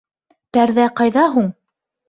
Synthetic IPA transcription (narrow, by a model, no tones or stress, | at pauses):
pæɾðæqɑjðɑɦuɴ